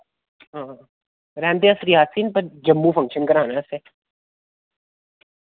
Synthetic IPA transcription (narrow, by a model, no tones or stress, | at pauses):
ɦãː | ɾɛ̃ːnd̪eɐsɾiːɦaːsiːnpɐɾd͡ʒɐmːũfɐ̃ŋkʃənkɐɾãːnase